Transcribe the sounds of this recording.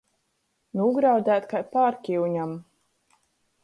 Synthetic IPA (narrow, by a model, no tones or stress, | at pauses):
nuɡɾawd̪ʲæːt̪kapaːɾkʲiwɲam